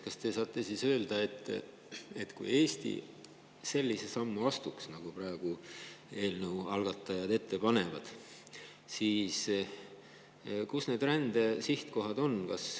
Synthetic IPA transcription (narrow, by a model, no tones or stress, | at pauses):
kɑst̪e̞sɑːt̪ːˑe̞sisø̞ːld̪̥ɑe̞t̪ːˑ | et̪ːkṵje̞ːst̪ḭ | se̞lʲːise̞sɑmːuɑst̪uksnɑɡ̥uprɑe̞ɡ̥ue̞ːlnəwɑlɡ̥ɑt̪ˑːɑjɑd̪e̞t̪ːe̞pɑne̞vɑd̪̥ | siːs | kusne̞ːd̪rænd̪̥esiht̪ko̞ɦɑd̪o̞nkɑs